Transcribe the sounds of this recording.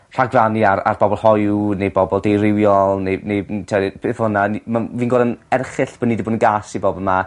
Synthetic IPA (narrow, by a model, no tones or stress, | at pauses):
r̥aɡraniara̰rbɔbɔlˠhɔjunejbɔbɔlˠdejrɪwjɔlˠnejnejtʰɔb̥ʰeːθhʊnanmaviːnɡɔːdənɛrχɪɬb̥ɔnidiboːdənɡaːsiboːbəma